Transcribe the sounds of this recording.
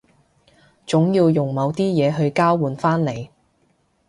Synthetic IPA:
t͡sʊ˨˥ŋjiː˧wjʊ˨˩ŋmɐ˨˧wt̪iː˥jɛː˨˧ɦɵ˧ɥkaː˥wwuː˨nfaː˥nle˨˩j

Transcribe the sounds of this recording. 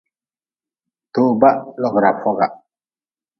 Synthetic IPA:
to˦ba˦ʔlɔ˨ɡɾa˨fɔ˦ɡa˨

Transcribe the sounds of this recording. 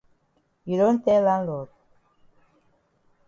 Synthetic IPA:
i˨ɾo˦nt̪ɛ˦la˦nlo˨t̪̚

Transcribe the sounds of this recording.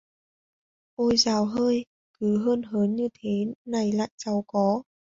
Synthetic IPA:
ʔo˧jzaː˨˩wɦəː˧j | kɨ˨˦ɦəː˧nɦəː˨˦nɲɨ˧t̪ʰe˨˦na˨˩jla̰ː˧˨jsa˨˩wkɔ˨˦

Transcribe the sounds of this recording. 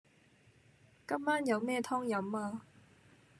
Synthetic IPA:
kɐ˥mːaː˥njɐ˨˧wmɛː˥˧t̪ʰɔː˥ŋjɐ˨˥maː˧

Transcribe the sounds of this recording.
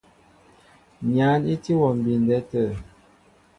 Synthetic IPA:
ɲa˨˦ni˦ti˦wɔ˨m̩˨bi˨n˨dɛ˦tə˦˨

